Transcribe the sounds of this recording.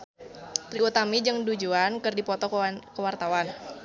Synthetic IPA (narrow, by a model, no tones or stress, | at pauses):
t̪ɾiut̪amid͡ʒɨŋdud͡ʒuankɨrdipɔt̪ɔkəwart̪awan